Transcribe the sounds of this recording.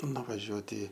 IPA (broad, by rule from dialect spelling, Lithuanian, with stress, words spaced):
nʊʋɐˈʒʲuɔtʲɪ